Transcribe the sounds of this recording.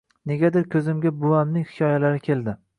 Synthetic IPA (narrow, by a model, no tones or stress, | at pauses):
ne̞ɡʲad̪ɪɾkʲʰɵzɪmɡʲabʊwamnɪŋhɪ̥kʲʰɒjalaɾɪkʲʰe̞lˠd̪ɪ